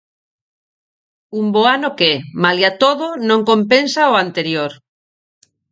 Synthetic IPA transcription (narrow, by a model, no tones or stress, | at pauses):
umboanokemaljat̪oðonõŋkompensaoant̪eɾjoɾ